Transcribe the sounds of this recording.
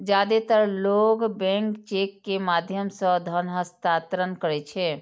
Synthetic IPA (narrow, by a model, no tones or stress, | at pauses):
d͡ʒad̪et̪əɾloɡbɛ̃ŋkt͡ʃekːemad̪ʱjəmsə̃d̪ʱəɾnɦəst̪at̪ɾənkəɾɛt͡ʃʰɛ